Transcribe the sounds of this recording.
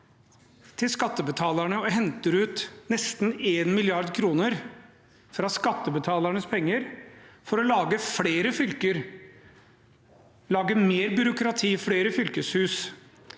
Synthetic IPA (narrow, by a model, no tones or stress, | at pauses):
t̪ʰɪlskɑt̪ːəbət̪ʰɑːləɳəɔɦɛnt̪əɾʉːt̪nɛst̪neːnmɪlɪɑɾd̪kʰɾuːnəɾ | fɾɑskɑt̪ːəbət̪ʰɑːlæɳəspʰɛŋːəɾfɔɾɔlɑːɡəfɽeːɾəfʏlkəɾ | lɑːɡəmeːɾbʏɾʊkɾɑt̪ʰiːfɽeːɾəfʏlkəshʉːs